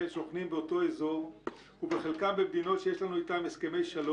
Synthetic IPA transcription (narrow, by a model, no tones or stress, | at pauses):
enʃo̞χnimbeo̞to̞ezo̞ʁ | ubeχelkambemd̪ino̞tʃejeʃlanuitameske̞me̞jʃalo